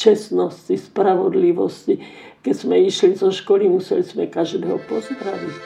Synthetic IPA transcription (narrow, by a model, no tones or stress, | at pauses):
t͡ʃɛsnɔscispɾaʋɔd̪liʋɔscikɛz̥mɛiʃlizɔʃkɔlimusɛ̰lizmɛkaʒd̪ɛːɦɔpɔzd̪ɾaʋic